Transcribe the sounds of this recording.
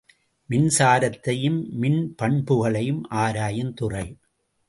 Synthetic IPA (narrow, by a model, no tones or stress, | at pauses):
mɪnsaːɾɐt̪ːɐjɯmːɪnpɐɳbɯɣɐɭɐjɯmʔaːɾaːjɐnt̪ʊrɐɪ